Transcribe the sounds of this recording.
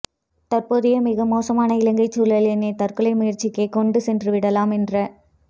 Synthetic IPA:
t̪ɐrpoːðɪjɐmɪɣɐmoːsɐmaːnɐɪlɐŋɡɐɪt͡ʃːuːlɐlɛnːɐɪt̪ɐrkɯɭɐɪmʊjɪrt͡ʃːɪkːeɪkɔɳɖɯsɛndrɯʋɪɽɐlaːmɛndrɐ

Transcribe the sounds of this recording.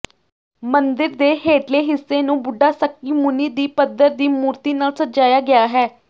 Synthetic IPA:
mənd̪ɪɾd̪eːɦeːʈleːɦɪsːeːnũːbʊɖːaːsəkːiːmʊniːd̪iːpəd̪əɾd̪iːmuːɾt̪iːnaːlsət̪d͡ʒaːjaːɡɪjaːɦɛː

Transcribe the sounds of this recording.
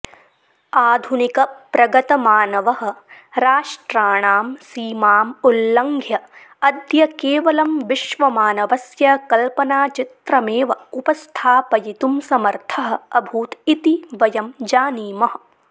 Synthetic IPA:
aːd̪ʱunikɐpɾɐɡɐt̪ɐmaːnɐʋɐɦɐ̆ɾaːʂʈɾaːɳaːmsiːmaːmulːɐŋɡʱjɐ | ɐd̪jɐkeːʋɐlɐmʋiʃʋɐmaːnɐʋɐsjɐkɐlpɐnaːt͡ʃit̪ɾɐmeːʋɐupɐst̪ʰaːpɐjit̪umsɐmɐɾt̪ʰɐɦɐ̆ɐbʱuːt̪it̪iʋɐjɐmd͡ʒaːniːmɐɦɐ̆

